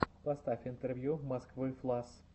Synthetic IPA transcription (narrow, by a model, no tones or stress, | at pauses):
pɐst̪afʲɪnt̪ɛrvʲjumɐskvɨflˠas